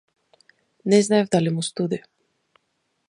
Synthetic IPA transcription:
nɛznaɛvd̪alimust̪ud̪i

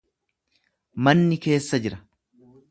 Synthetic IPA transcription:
mɐnːɪke̞ːsːɐd͡ʒɪɾɐ

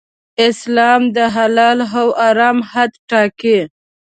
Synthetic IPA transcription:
ɪslɑmd̪əɦalɑlɦawʔaɾɑmhad̪ʈɑke

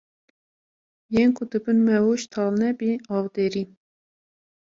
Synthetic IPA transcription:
jenkʰʊd̪ɨbɨnmɛwoʃt̪ʰɑːlnɛbiɑːwd̪eːɾi

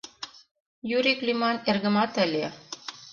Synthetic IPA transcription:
jyɾiklymɑnerɣə̆mɑt̪ə̆lʲe

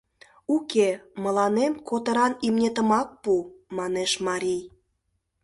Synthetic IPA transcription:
ukemə̆lɑnemkot̪ə̆ɾɑnimnʲet̪ə̆mɑk̚pumɑneʃmɑɾʲij

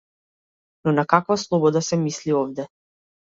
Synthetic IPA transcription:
nɔnakakvaslˠɔbɔd̪asɛmisliɔvd̪ɛ

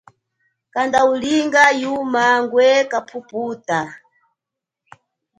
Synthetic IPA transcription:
kandauliŋɡajumaŋɡwɛkapʰupuːta

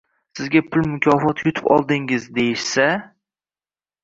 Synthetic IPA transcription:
sɪzɡʲapʰʊlmʊkʲʰɒfɒt̪jʊt̪ʰɪ̥pɒ̰lˠd̪ɪŋɪzd̪ejɪʃsa

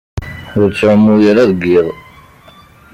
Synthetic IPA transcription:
ʊɾt͡sːʕəmːujəɾæðɡiðˤ

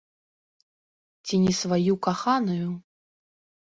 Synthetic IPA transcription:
t͡sʲinʲisvajukaxanuju

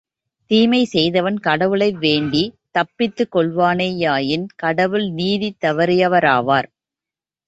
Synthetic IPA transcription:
t̪iːmɐɪsɛjðɐʋɐnkɐɽɐʋɯɭɐɪʋeːɳɖit̪ɐpːɪt̪ːɯkːɔɭʋaːneːjaːjɪnkɐɽɐʋɯɭniːðit̪ːɐʋɐɾɪjɐʋɐɾaːʋaːɾ

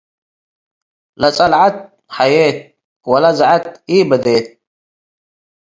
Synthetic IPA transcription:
lat͡sʼalʕat̪̚ | ħajeːt̪̚ | walazʕat̪̚iːbəd̪eːt̪̚

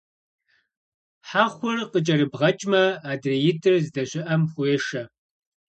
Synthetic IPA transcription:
ħaːχʷʊrqət͡ʃʼɐɾɨbʁɐt͡ʃʼmɐaːdrejɪtʰʼɨrzdɐɕʷɪʔɐmχʷʊeːʂɐ

